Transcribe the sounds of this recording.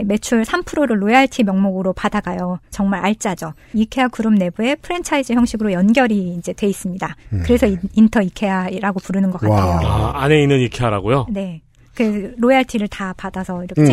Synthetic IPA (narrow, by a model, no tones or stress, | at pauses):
me̞t͡ɕʰuɭsʰampʰɯɾoɾɯɭːojaɭtʰimjʌŋmoɡɯɾopadaɡajot͡ɕʌŋmaɾaɭt͡ɕ͈ad͡ʑʌ | ikʰe̞akuɾɯmne̞bue̞pʰɯɾe̞nt͡ɕʰaid͡ʑɯçjʌŋɕ͈ʰiɡɯɾojʌnɡjʌɾiːnd͡ʑe̞twe̞is͈ɯmɲidakɯɾe̞sʰʌiintʰʌikʰe̞aɾaɡopuɾɯnɯnɡʌk͈ataane̞inɯnikʰeaɾaɡojone̞ | kɯeɾojaɭtʰiɾɯɭtapadasʰʌiɾʌk